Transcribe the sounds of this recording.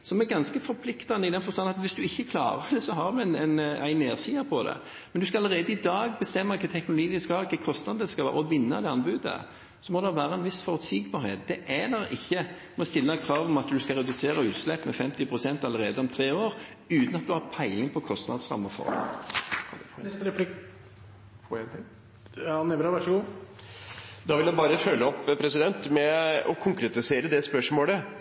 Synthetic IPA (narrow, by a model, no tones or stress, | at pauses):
sɔmɛɾɡɑnskəfɔɾpʰlɪkt̪ɑnːəɪd̪ɛnfɔɾst̪ɑnɑt̪ʋɪsd̪ʉɪçːəkʰlɑ̰ːɾəd̪ɛsɔɦɑɾd̪ʉɛnɛnæ̰ɪneːsɪːəpʰɔd̪ɛ̰ | mɛnd̪ʉskɑɑləɾeːd̪əɪd̪ɑːɡ̚bəst̪ɛmːəɪkʰət̪ʰɛknʊlʊɡiːd̪ɪskɑhɑɾɪkʰəkʰɔst̪nɑd̪əskɑlʋæ̰ːɾɔʋɪnːə̰d̪ɛɑnbʉːd̪ə̰ | sɔmɔːd̪ɛʋæːɾəɛnʋɪsfɔɾʉt̪siːɡbɑɾhḛːt̪̚d̪̥ɛʔɛləɾɪçːəmɛɔst̪ɪlːəkʰɾɑːʋɔmɑt̪d̪ʉskɑʁɛd̪ʉseːɾəʉːt̪slɛpːmɛfɛmt̪ɪpʰɾʊsɛnt̪ɑləʁeːd̪əɔmt̪ʰɾeːoːɾ | ʉːt̪nɑt̪̚d̪ʉhɑpʰæɪlɪŋənpʰɔkʰɔst̪nɑ̰d̪sʁɑ̰mːəfɔ̰ʁ̰ʰ | ɾɛplɪ | t̪ | nɛɾɑʋæʂəɡuː | d̪ɑʋɪljæɪbɑːɾəfœlːəɔpːpʰɾɛsɪd̪ɛnt̪mɛɔkʰʊŋkɾɛt̪ɪseːɾəd̪ɛspœʂmoːlə